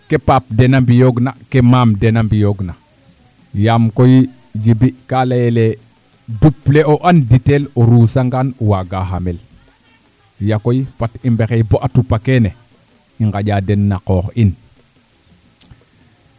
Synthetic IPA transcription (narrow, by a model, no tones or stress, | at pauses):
kepap̚denambijoɡnakemamdenambijoɡna | jamkoji | d͡ʒibikalajele | dupleoʔanditeloɾuːsaŋɡanwaɡaɦamel | jakojifatimbekejboʔatupakene | iŋɡaɟadenːaqoxin